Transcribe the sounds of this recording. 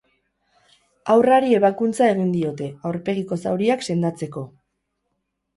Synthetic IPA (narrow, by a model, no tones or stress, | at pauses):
awraɾie̞β̞akunt͡sae̞ɣind̪io̞t̪e̞awɾpe̞ɣ̞iko̞sawɾiakse̞nd̪at͡se̞ko̞